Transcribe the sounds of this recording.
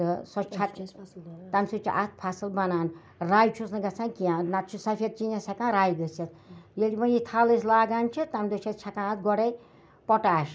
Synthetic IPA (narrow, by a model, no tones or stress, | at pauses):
sɔt͡ʃʰa | t̪amsut͡ʃʰḭʔat̪̚ʰpʰasɨlbanaːn | rajt͡ʃʰusnɐɡat͡sʰãnkiãnat̪t͡ʃʰusapʰʲet̪̚t͡ʃinasʲʰakãɾajɡəset̪̚jelʲibʌit̪ʰaleslaɡant͡ʃʰit̪amd̪ot͡ʃʰat͡ʃʰakããt̪ɡɔɽej | pɔʈaːʃ